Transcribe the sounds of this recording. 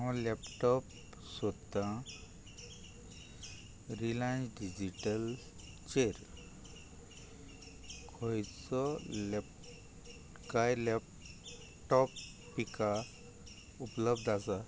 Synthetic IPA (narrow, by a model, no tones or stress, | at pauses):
ɔ̃lɛpʈɔp | sɔt̪ːã | ɾilajnsɖid͡ʑiʈəl | t͡ɕeɾ | kʰɔjt͡sɔlɛp | kajlɛp | ʈɔpː | ika | upləbd̪asa